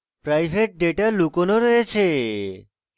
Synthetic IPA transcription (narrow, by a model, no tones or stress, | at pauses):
pɾajbʱeʈ̚ɖeʈalukonoɾɔjet͡ɕʰe